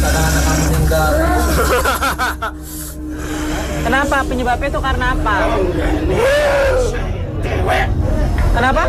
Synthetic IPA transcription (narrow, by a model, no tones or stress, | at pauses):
kadaŋanak̚masit̪iŋka | kənapapəɲəbapɪt̪ukaɾənaːpa | kənapa